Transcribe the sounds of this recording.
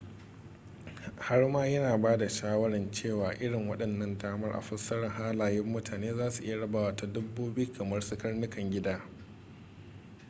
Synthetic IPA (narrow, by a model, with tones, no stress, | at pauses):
ha˦rmaː˦jɐ˦naː˨baː˦da˨ʃaː˦wɐ˦ɽɐ˨nt͡ʃeː˦˨waː˨ʔɪ˦ɽɪ˨ŋwɐ˦ɗɐ˨nːɐ˦ndaː˦mɐ˦rʔa̰˨ɸɐ˦sːɐ˦ɽɐ˨ŋɦaː˦laː˨jɪ˦mːʊ˦tʰaː˨neː˦zaː˦su˨ʔɪ˦ja˨ɽɐ˦baː˨waː˦ta˨dʊ˦bːuː˦bɪ˦ji˦kʰɐ˨mɐ˦rsʊ˦kɐ˦rnʊ˦kɐ˨ŋɡʲɪ˦daː˦